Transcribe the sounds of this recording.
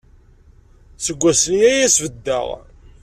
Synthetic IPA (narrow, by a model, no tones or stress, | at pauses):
səɡʷːæsənjæjæsvəd̪ːə̰ʁ